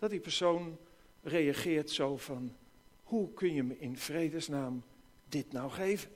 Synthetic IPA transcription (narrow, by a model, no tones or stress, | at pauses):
d̥ɑt̚dipəɹsown | rejaχɪːɹtsowv̥ɑn | hukʰɵnjəmɪnv̥rejdəsnaːm | dɪtnawχejvən